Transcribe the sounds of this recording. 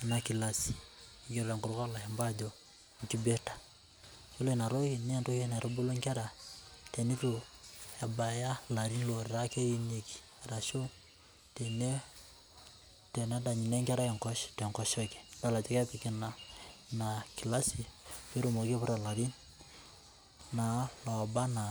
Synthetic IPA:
na˨ki˨la˦si̥˨ | ɡi˦ɾɾa˨ŋɡu˨ɾu˦ka˦la˨he˨mba˦d͡ʒɔ˨ | ŋki˦be˦tḁ˨ | t͡ʃo˦lo˦i˨na˨ɾo˦ki˨ni˦a˦nto˦hɛ˦na˨ɾo˦bo˦lo˦ŋka˦ɾa˨te˨ni˦ɾu˨ja˨ba˨ja˦la˨ɾi˦nlo˨ɾi˨ɾa˦ke˦ji˦ni˨ki̥˨ | a˨ɾa˨ʃo˦ | te˨ne˦ | tɛ˨na˦da˨ɲi˨nɛ˦ŋka˦ɾa˦jɛ˨ŋkɔ˦ʃtɛ˨ŋkɔ˨ʃɔ˦kɛ̥˨da˦˨la˨d͡ʒɔ˦kɛ˦pi˨ki˦na˨na˨ki˨la˦si˨pe˦ɾo˦mo˨ki˦pu˦ɾa˨la˨ɾi˦n | na˨lɔ˨ba˦na˨

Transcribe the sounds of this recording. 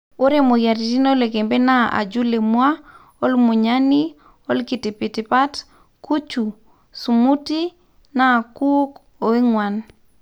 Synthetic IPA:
o˦ɾe˦mo˨ja˨ɾi˨ti˦no˦le˨ke˨mbe˦na˦ʔa̰˨d͡ʒu˦le˨mwa˦ | ɔ˦lmu˨ɲa˦ni˦ | ɔ˦lki˨ti˨pi˨ti˨pa˦t | kʰu˦t͡ʃu˨ | su˨mu˦ti˦ | na˦˨ku˦k | o˨e˦ŋwa˨n

